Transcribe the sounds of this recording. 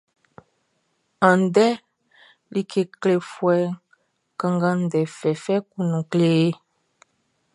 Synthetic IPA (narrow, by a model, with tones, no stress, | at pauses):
ã˨n˨˦dɛ˦ | li˦kʰe˨kle˨fwɛ˦ | kã˦ŋɡa˦n˦dɛ˨fɛ˨fɛ˦ku˦nũ˨kle˦e˦